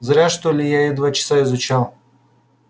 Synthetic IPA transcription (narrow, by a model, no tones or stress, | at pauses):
zɾʲaʂt̪olʲɪjaɪd̪vat͡ɕɪ̥saɪzʊt͡ɕalˠ